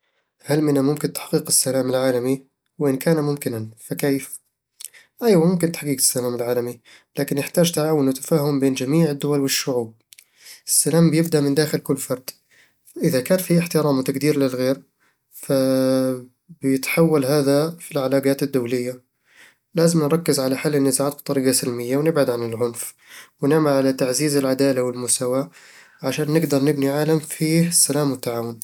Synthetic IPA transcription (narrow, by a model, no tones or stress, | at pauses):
halmɪnamʊmkɪnt̪ḁħqiːqɪsːalaːmɪlʕaːlami | wɪʔɪnkaːnamʊmkɪnanfakeːf | ʔajwamʊmkɪnt̪aħqiːɡɪ̥sːalaːmɪlʕaːlami | laːkɪnːɪħt̪aːʒt̪aʕaːwʊnɪt̪ːḁfaːɦʊmbeːnd͡ʒamiːʕɪd̪ːʊwalwɪʃːʊʕuːb̚ | ʔɪsːalaːmbjɪbd̪aʔmɪnd̪aːxɪlkʊlːfɑɾˤd̪̥ | ʔɪðakaːnfiʔɪħt̪ɪɾaːmt̪aɡd̪iːɾlɪlɣeːɾ | fa | bɪjɪt̪ħawːalɦaːðafilʕalaːɡaːt̪ɪd̪ːawlɪjːa | laːzɪmnɾˤɑkːɪzʕalaħalːɪnːɪzaʕaːt̪̚b̚t̪ˤɑɾiːɡasɪlmɪjːawnɪbʕad̪ʕanɪlʕʊnf | wnɪʕmalʕalat̪aʕziːzɪlʕad̪aːlawɪlmʊst̪awa | ʕaʃaːnːɪɡd̪ɑɾˤnɪbniʕaːlamfiːhɪsːalaːmwɪt̪ːaʕaːwʊn